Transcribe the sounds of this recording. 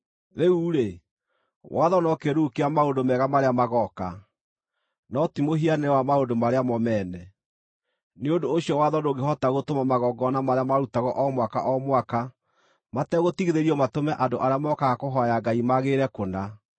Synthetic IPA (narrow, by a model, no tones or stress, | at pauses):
ɾeuːɾe | wʔaðɔnɔkeɾukeamaondomɛɣamaɾeamaɣɔka | nɔtimoɦianewamaondomaɾeamɔmɛːnɛ | neondoːɕijɔwaðɔnoɣeɦɔtaɣotomamaɣɔːɡɔnamaɾeamaɾutaɣɔʔɔmwaka̰ʔɔmwaka | matɛɣotiɣeðeɾiɔmatomɛʔandoʔaɾeamɔkaɣakoɦɔjaɡaimaɣeɾɛkona